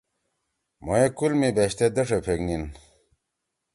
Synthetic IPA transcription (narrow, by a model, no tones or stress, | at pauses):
mojekulmibeɕt̪ed̪ɐʂepʰeknin